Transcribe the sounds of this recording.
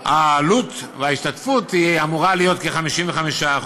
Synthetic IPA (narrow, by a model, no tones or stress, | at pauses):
alut̪veaiʃtatfut̪iamuʁalijo̞t̪keχamiʃimveχamiʃa